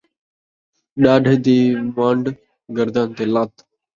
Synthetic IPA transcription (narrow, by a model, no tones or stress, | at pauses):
ɗaːɖʱed̪iːmãːɳɖ | ɡəɾd̪aːnt̪eːlaːt̪